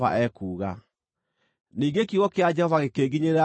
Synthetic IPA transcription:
a̰ʔɛkuːɣa̰ | niːŋɡekiɣɔkead͡ʒɛhɔvaɣekeːɡiɲeɾa

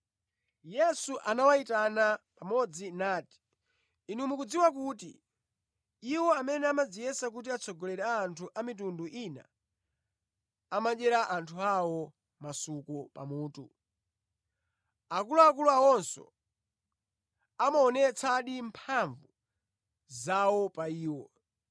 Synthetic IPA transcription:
jɛsuʔanawaitanapamɔd͡zinaːti̥ | inumukud͡ziwak̬utḭ | iwɔamɛnɛamad͡zijɛsak̬ut̬iat͡sʰɔɡɔlɛɾɛaːntʰuʔamit̬unduʔina̰ | amaɗɛɾaʔantʰuawɔ | masukɔpa̰muːtu | akuluakuluawɔnsɔ̰ | amaɔnɛt͡sʰaɗimpʰaɱvu | zawɔpaiːwɔ

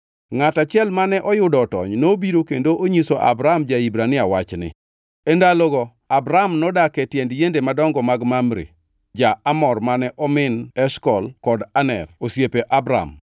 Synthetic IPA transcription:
ŋatat͡ʃjɛlmanɛʔɔjʊdɔtɔ̰ɲnobiɾokendoʔoɲisoʔa̰bɾamd͡ʒaibɾanɪawat͡ʃnɪ̰ | endalɔɡɔ | abɾamnɔdakɛtjɛndjendemadɔŋɡɔmaɡmamɾḭ | d͡ʒaamɔrmanɛʔɔmɪnɛʃkɔlkɔdanɛ̰rosjepeʔabɾa̰m

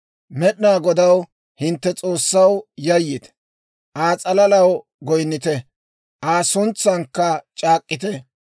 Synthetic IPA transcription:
mɛɗnaːɡɔd̪ɐw | hɪnt̪ːɛt͡sʼo̞ːsːɐwjɐjːɪt̪ | ʔaːt͡sʼɐlɐlɐw | ɡɔjnːɪt̪ɛ | ʔaːsʊnt͡sːɐŋkːɐt͡ʃʼaːkʼːɪt̪ɛ

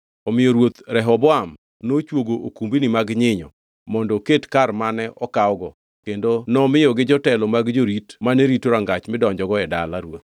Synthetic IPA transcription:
ɔmɪjɔɾwot̪ɾɛɦɔbɔam | not͡ʃwoɡoʔokumbinɪmaɡɲɪɲɔ̰ | mɔndɔketkarmanɛʔɔkaɔɡɔ | kendonɔmɪjɔɡɪd͡ʒɔtɛlɔmaɡd͡ʒoɾitmanɛɾitoɾaŋɡat͡ʃmɪdɔɲd͡ʒɔɡɔɛdalaɾwo̰t̪

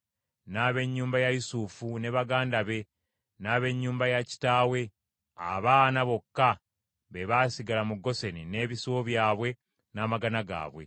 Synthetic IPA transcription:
naβe̞ɲːuːmbajajusufune̞βaɡaːndaβe̞ | naːβe̞ɲːuːmbajaci̥taːwe̞ | a̰βaːnaβo̞kːa | βe̞βaːsiɡalamuɡːo̞se̞nine̞ːβisiwoβjaːβwe̞ | naːmaɡanaɡa̰ːβwe̞̰

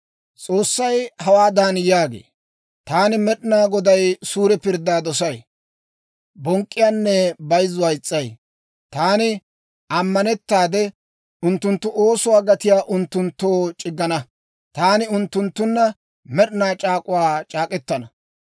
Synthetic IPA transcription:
t͡sʼo̞ːsːɐjhɐwaːd̪aːnjaːɡḛː | t̪aːnɪmɛɗɪnaːɡɔd̪ɐjsuːɾɛpɪɾd̪ːaːd̪ɔs̬ɐj | bɔŋkʼːɪjaːnːɛbɐjzːʊwɐjɪt͡sʼːɐj | t̪aːnɪ | ɐmːɐnɛt̪ːaːd̪ɛ | ʊnt̪ːʊnt̪ːʊʔo̞ːsʊwaːɡɐt̪ɪjaːʔʊnt̪ːʊnt̪ːoːt͡ʃʼɪɡːɐnɐ | t̪aːnɪʊnt̪ːʊnt̪ːʊnːɐ | mɛɗnaːt͡ʃʼaːkʼʊwaːt͡ʃʼaːkʼɛt̪ːɐnɐ

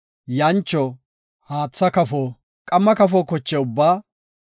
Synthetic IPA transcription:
jɐnt͡ʃːɔ | haːt͡sːɐkɐfoː | kʼɐmːɐkɐfoːkɔt͡ʃːɛʊbːaː

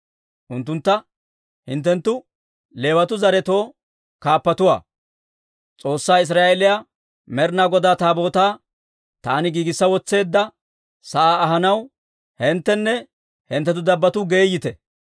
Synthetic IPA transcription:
ʔʊnt̪ːʊnt̪ːɐ | hɪnt̪ːɛnt̪ːʊ | le̞ːwɐt̪ʊzɐɾɛt̪o̞ː | kaːpːɐt̪ʊwa̰ː | t͡sʼo̞ːsːaːɪs̬ɾaːʔelɪja | mɛɾnaːɡɔd̪aːt̪aːbo̞ːt̪aː | t̪aːnɪɡiːɡɪsːɐwɔt͡sːe̞ːd̪ːɐ | sɐʔaːɦɐnɐw | hɛnt̪ːɛnːɛ | hɛnt̪ːɛt̪ʊd̪ɐbːɐt̪ʊɡeːjːɪt̪ɛ

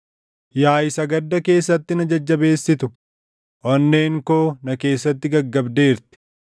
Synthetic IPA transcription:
jaːjɪsɐɡɐd̪ːɐke̞ːsːɐt̪ːɪnɐd͡ʒɐd͡ʒːɐbe̞ːsːɪt̪ʊ | ʔɔnːe̞ːŋko̞ːnɐke̞ːsːɐt̪ːɪɡɐɡːɐbd̪e̞ːɾt̪ɪ̥

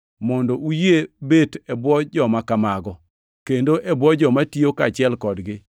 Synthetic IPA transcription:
mɔndɔʔujebetɛbwɔd͡ʒɔmakamaɡɔ | kendoʔɛbwɔd͡ʒɔmatiokat͡ʃɪɛlkɔdɡɪ

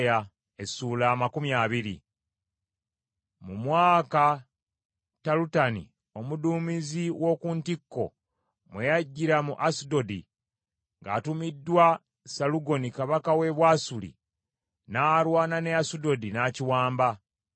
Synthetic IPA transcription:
ja | esuːlaːmakumjaβiɾi | mumwaːka | talutanḭ | o̞muduːmiziwʔo̞ːkuntikːo̞̰ | mwejaɟːiɾamuʔasudo̞di | ŋɡa̰ːtumidːwa | saluɡo̞nikaβakawe̞βwaːsulḭ | naːɾwaːnane̞asudo̞dinaciwaːmba

